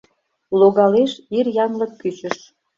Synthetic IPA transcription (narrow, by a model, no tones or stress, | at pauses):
loɣɑleʃirjɑnlɤ̆kːyt͡ɕə̆ʃ